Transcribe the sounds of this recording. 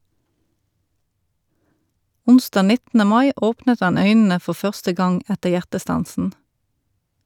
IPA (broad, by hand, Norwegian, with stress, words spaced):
ˈʊnˌstɑː ˈnɪtn̩ə ˈmɑɪ ˈoːpnət ˈɑn ˈœʏnn̩ə ˈfɔʁ ˈfœʁstə ˈɡɑŋ ˈætəʁ ˈjæʁtəˌstɑnsn̩